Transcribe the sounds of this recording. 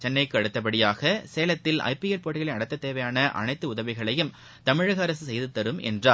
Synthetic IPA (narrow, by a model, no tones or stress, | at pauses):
t͡ʃɛnːɐɪkːɯɐɽɯt̪ːɐp̬ːɐɽɪjaːɣɐseːlɐt̪ːɪlɐ̰ɪpiɛlpoːʈːɪɣɐɭɐɪnɐɽɐt̪ːɐt̪ːeːʋɐjaːnɐʔɐ̰nɐɪt̪ːɯʊðɐʋɪɣɐɭɐjɯm | t̪ɐmɪɻɐɣɐːɾɐsɯsɛjðɯt̪ːɐɾɯmɛ̰ndraː